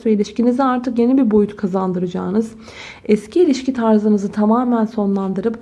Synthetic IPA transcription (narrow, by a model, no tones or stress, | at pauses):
sveilʲiʃciniziaɾt̪ʰɯkje̞nibiɾbo̞jut̪ʰkʰazand̪ɯɾɯd͡ʒaːnɯz | ɛscʰiːlʲiʃcit̪ʰaɾzɯnɯzɯt̪ʰamaːmænso̞nlˠand̪ɯɾɯp